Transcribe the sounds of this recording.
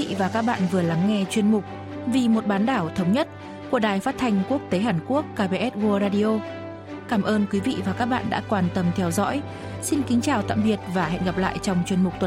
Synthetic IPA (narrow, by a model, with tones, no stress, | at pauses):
vaː˨˩kaː˦˥k̚ɓa̰ː˧˨nvɨ˨˩əla˨˦ŋːɛ˧t͡ɕwi˧ənmʊ˨˩k͡p̚ | vi˨˩mo˨˩t̚ɓaː˨˦nɗaː˧˩wt̪ʰə˨˦wŋ͡mɲə˦˥t̚ | ku˧˩əɗaː˨˩jfaː˦˥t̚t̪ʰa˧jŋ̟ku˦˥ək̚t̪e˨˦ɦaː˧˩nku˦˥əkːaː˧ɓe˧ʔɛ˦˥t̚ɣu˧əzaː˧ɗi˧ʔo˧ | kaː˧˩mʔəː˧nkwi˨˦vḭ˧˨vaː˨˩kaː˦˥k̚ɓa̰ː˧˨nɗa̰ː˧˥kwaː˨˩nt̪ə˨˧˩mt̪ʰɛ˨˧˦wzɔ̰˧˥j | si˧nkï˨˦ŋ̟t͡ɕaː˨˩wt̪a̰ː˧˨mɓi˨˩ət̚vaː˨˩hɛ̰˧˨nɣa˨˩p̚la̰ː˧˨jt͡ɕɔ˧wŋ͡mt͡ɕwi˧ənmʊ˨˩k͡p̚t̪ə˨˩